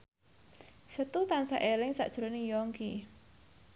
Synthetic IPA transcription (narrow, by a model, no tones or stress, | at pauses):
sət̪ut̪ansa̰ʔelɪŋsa̰ʔd̥ʒ̥uɾonɪŋjɔŋki